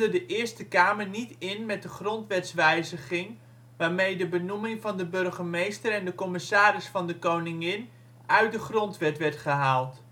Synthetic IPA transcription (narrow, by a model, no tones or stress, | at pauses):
dədəʔɪːɹstəkaːməɹnitɪnmɛt̚dəχrɔntʋɛtsʋɛjzəχɪŋ | ʋaːɹmejdəbənumɪŋvɑndəbɵrχəmejstəɾɛndəkɔmɪsaːɾɪsfɑndəkownɪŋɪn | œɥt̚dəχrɔntʋɛtʋɛɹtχəɦaːlˠt